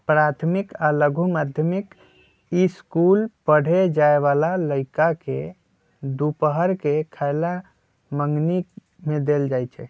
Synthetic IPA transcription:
pɾat̪ʰmikaləɡʱumad̪ʱjəmik | iskulpəɽ̤ed͡ʒaeβalaləɪkake | d̪upəɦəɾkekʰaɪla | məŋɡni | med̪eld͡ʒajt͡ʃʰɛ

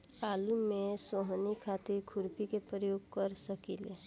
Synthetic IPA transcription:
aːlumẽsoɦnikʰat̪iɾkʰʊɾpʰikepɾəjoːɡ̚kəɾsəkile

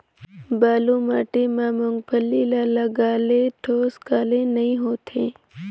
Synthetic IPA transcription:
baːluːmaːʈemaːmõŋɡpʰəlːilaːlaɡaːleʈʰoːskaːlẽnɐĩɦoːt̪ʰẽː

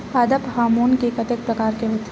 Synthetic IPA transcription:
aːd̪əphaːmuːnkekɐt̪ek̚pɾɐkaːɾkeɦoːt̪

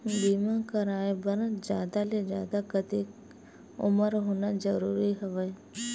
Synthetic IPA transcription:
biːmãkɐɾaːebəɾəd͡ʒaːd̪aled͡ʒa̰ːd̪akət̪iːk | ʊ̰məɾɦoːnad͡ʒəɾuːɾiɦɛʋə

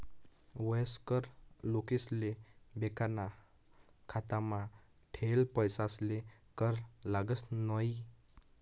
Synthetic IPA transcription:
wəjskəɾlokeslebekana | kʰat̪amã | ʈʰelpəjsaslekəɾlaɡəsnɔj

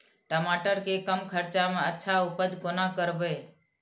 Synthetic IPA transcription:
ʈəmaːʈəɾkekəmkʰəɾt͡ʃamẽətːʃʰaʊpəd͡ʒkonakəɾbeː

